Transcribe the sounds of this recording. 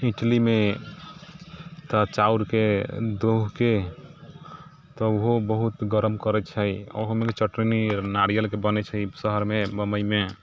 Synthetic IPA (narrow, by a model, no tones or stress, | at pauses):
iʈlime | t̪at͡ʃauɾked̪oɦke | t̪ɔoɦobəɦut̪ɡəɾəmkəɾɛt͡ʃʰəjo̰ɦomeket͡ʃəʈɾininaɽijəlkebənɛt͡ʃʰəisəɦəɾmebəməjme